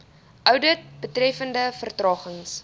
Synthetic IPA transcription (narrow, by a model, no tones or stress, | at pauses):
ʔœwdət̚bətrɛfəndəfərtrɑːχəŋs